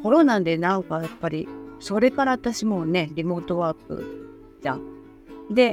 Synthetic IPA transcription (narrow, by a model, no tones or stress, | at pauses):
ko̞ɾo̞nand̪e̞naokajapːaɾʲiso̞ɾe̞kaɾat̪aɕimo̞ne̞ɾʲimo̞ːt̪o̞βapːɯ̰ | da | d̪e̞